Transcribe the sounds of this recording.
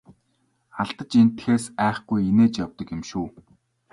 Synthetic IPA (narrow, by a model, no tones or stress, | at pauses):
aɮt̪ə̆t͡ɕin̥t̪xeːsæːχɡujeneːt͡ɕjawt̪ə̆kɪmʃuː